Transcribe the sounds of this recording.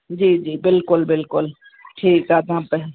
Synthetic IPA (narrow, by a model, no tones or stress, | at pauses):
d͡ʒiːd͡ʒiːbɪlkʊlbɪlkʊl | ʈʰiːkaːd̪ãpɛ